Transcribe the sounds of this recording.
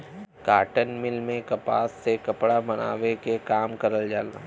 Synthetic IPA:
kaːʈənmɪlmẽkɐpa̰ːsːekɐpɽabɐna̰ːʋekekaːmkɐɾəld͡ʒaːla

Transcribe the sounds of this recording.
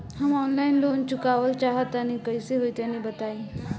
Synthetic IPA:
həmɔnlainlont͡ɕukaʋəlt͡ɕaɦət̪añikəjseɦojt̪janibət̪aĩ

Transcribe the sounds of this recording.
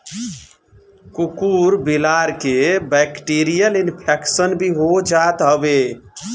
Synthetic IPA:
kukuɾbilaɾkebɛkʈiɾijəlinpʰɛksənbʱiɦod͡ʒat̪ɦəbe

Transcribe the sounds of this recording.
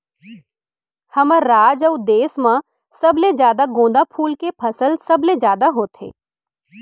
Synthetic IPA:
hɐməɾaːd͡ʒəʊd̪eːsmã | sɐbled͡ʒjaːd̪aɡõːd̪apʰuːlkepʰɐsəlsɐbled͡ʒjaːd̪aɦoːt̪ḛː

